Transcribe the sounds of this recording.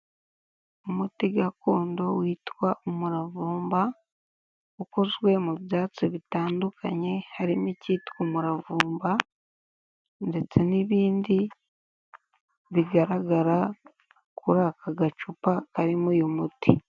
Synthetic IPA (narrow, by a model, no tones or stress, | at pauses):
omutiɡakuːndo̞wiːtwaomuɾavuːmba | ukozwe̞muβjaːt͡siβitaːndukʰa̰ɲe̞haɾimiciːtkumuɾavuːmba | nde̞t͡se̞niβiːndi | βiɡaɾaɡaɾa | kʰuɾakaɡat͡ʃupakaɾimujomuti